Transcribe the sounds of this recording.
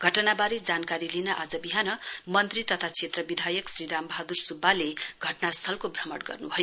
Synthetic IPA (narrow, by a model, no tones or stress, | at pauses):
ɡʱʌʈʌnabaɾed͡zankaɾilinʌʔad͡zʌbiɦanʌmʌnt̪rit̪ʌt̪ʰat͡sʰet̪rʌbid̪ʱajʌksriɾambʱʌɦad̪ursubːaleɡʱʌʈnast̪ʰʌlkobʱrʌmʌɽɡʌ̰rnubʱʌjo